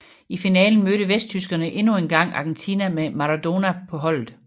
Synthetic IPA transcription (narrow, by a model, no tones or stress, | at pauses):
ifinɛːln̩møɾəʋesd̥̚t͡sʰysɡ̥ɐnəʔe̝nuenɡ̥ɑ̈ŋ̰ɑ̈ɡ̥en̩t͡sʰiːnæmemɑ̈ʁɑd̥o̝næpʰɒ̽ɦɒ̽l̰ð̩ˠ